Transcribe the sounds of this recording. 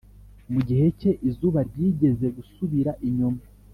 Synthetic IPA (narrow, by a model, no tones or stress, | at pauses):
muɟihe̞ce̞ʔizuβaɾɟiːɟe̞ze̞ɡusuβiɾaʔiɲoma